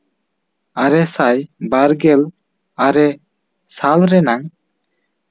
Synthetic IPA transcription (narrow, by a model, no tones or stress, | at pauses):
aɾɛsajbaɾɡɛl | aɾɛ | salɾɛnaŋ